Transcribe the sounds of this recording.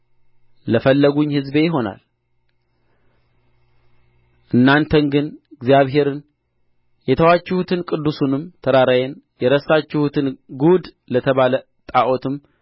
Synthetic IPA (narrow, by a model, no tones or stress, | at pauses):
ləfəlːəɡuɲːhɨzbe̞jɪɦo̞na̰l | ʔɨnːant̪ʰənɡɨnɨɡzijaβɦe̞ɾɨn | jɛt̪ʰəwat͡ʃːɪhut̪ʰɨnkʼɨd̪ːusunɨmt̪ʰəɾaɾajenjɛɾəsat͡ʃːɪhut̪ʰɨnɡud̪ | lət̪ʰəβalə | t̪ʼaʔo̞t̪ʰɨm